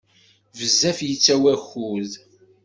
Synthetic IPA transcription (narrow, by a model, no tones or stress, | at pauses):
vəzːæfjət͡sːæwæxuð